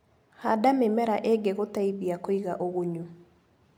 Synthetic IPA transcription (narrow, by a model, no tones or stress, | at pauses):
hadamemɛɾaʔeɡeɣotaiðiakoiɣa̰ʔoɣoɲu